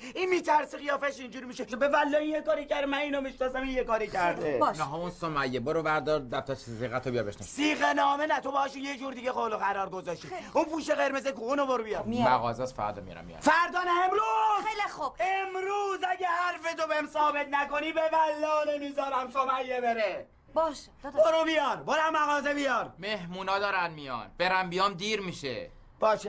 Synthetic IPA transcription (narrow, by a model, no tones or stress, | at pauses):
inmiːt̪ʰæɾsiχijɒːfeʃind͡ʒuɾimiːʃebevælːɒːinjekɒːɾicæɾd̪mæniːnomiʃnɒsæminjekɒːɾicʰæɾd̪enɦɔunsomæjːeboɾobæɾd̪ɒːɾd̪æft̪ʰæt͡ʃsiɣæt̪ʰːobijɒbeʃnɔssiːɣenɒːmenæt̪ʰobehɒʃujed͡ʒuːɾd̪iɟexoloɣæɾɒːɾɡozɒʃt̪iunpuːʃeɣeɾmezekuunoboɾbijɒd̪mmæ̰ɣɒ̰ːzɛsfæ̰ɾd̪ɒmij̰ɾæ̰miḭj̰fæɾd̪ɒːnæemɾuzlb̥emɾuːzæɟʲehæɾfet̪obemsɒːbe̞t̪næko̞niːbebælːɒːnemizɒːɾæmsomæjːebeɾe | bʃ | boɾubijɒɾboɾæmæɣɒːzebijɒɾmehmuːnɒːd̪ɒːɾænmijɒ̰nb̥eɾæmbijɒːmd̪iːɾmiʃḛ | b̥ɒːʃe